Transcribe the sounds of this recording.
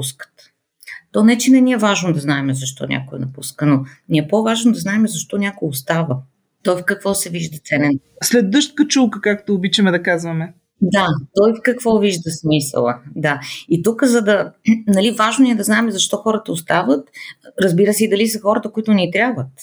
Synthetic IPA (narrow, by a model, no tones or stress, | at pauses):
puskə̥t̪ | t̪ɔnɛt͡ʃinɛnʲiɛvaʒnod̪ɐznaɛmɛzɐʃt̪ɔ̰nʲʔa̰koɛ̰nɐpuskənoniɛpovaʒnod̪ɐznaɛmɛzɐʃt̪ɔnʲakojost̪avə | t̪ɔjfkɐkvɔsɛviʒd̪ɐt̪sɛnɛn | slɛd̪ɤʃt̪̚kət͡ʃulˠkəkakt̪oːbit͡ʃəmɛd̪ɐkazvɐmɛ | d̪at̪ɔjfkɐkvɔviʒd̪əsmisə̰lˠəd̪ait̪ukəzɐd̪ɐnɐlivaʒnoniɛd̪ɐznaɛmɛzɐʃt̪ɔxɔɾət̪əost̪avət̪ɾəzbiɾəsɛid̪ɐlisəxɔɾət̪əkoit̪ʊnit̪ɾʲabvət̪